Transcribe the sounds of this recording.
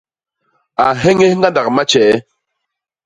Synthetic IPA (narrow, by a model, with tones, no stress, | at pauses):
a˨ɦe˦ŋe˦hŋ˦ɡa˦nda˨kma˦t͡ʃɛ˨˦